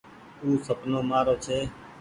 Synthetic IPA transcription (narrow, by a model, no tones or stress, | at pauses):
uːsəpnoːmaːɾoːt͡ʃʰeː